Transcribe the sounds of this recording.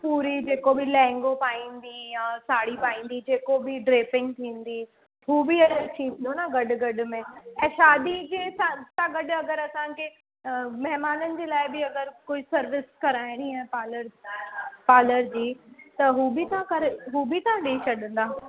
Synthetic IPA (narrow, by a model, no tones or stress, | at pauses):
puːɾid͡ʑeːkobʱɪlɛ̃ːŋɡopaːĩːn̆d̪ijãːsaːɽipaːĩːnd̪id͡ʑeːkobɪɖɾeːfɪ̃ŋɡ̚t̪ʰĩːnd̪i | ɦuːbɪɐəɾt͡ɕʰĩːnd̪onaɡɐɖɡɐɖʊ̆mẽɛ̃ːʃaːd̪id͡ʑeːsasãɡɐɖɐɡəɾɐsãkʰe | mɐɦmaːnənɪ̆d͡ʑeːlaːɪbɪɐɡəɾkoːisɐɾʋɪskɐɾaːɪ̃ɽ̃iɦɛ̃paːləɾ | paːləɾd͡ʑiːt̪ɐɦuːbɪt̪ãkɐɾɦuːbɪt̪ɐãɗeːt͡ʃɐɗə̃nd̪aː